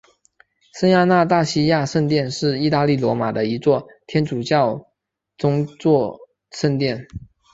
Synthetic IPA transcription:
sə˥nja˥˧na˥˧t̪a˥˩ɕi˥ja˥˧ʂə˥˧nt̪jɛ˥˧nʂɻ̩˥˧i˥˧t̪a˥˧li˥˩lwɔ˧˥ma˨˩d̪ə˦i˧˥t͡swɔ˥˩ | t̪ʰjɛ˥nʈ͡ʂu˨˩t͡ɕjɑ˥˩ʊ | ʈ͡ʂʊ˥ŋt͡swɔ˥˩ | ʂə˥˧nt̪jɛ˥˩n

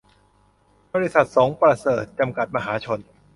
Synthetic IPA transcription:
bɔː˧ɾi˦˥sa˨˩t̪̚sɔː˩˦ŋpɾa˧sɤː˨˩t̪̚t͡ɕa˧mka˨˩t̪̚ma˧ɦaː˩˦t͡ɕʰo˧n

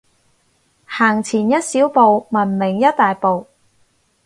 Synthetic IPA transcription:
haː˨˩ŋt͡sʰiː˨˩njɐ˥t̚siː˨˥wpo˨wmɐ˨˩nmɪ˨˩ŋjɐ˥t̚t̪aː˨jpo˨w

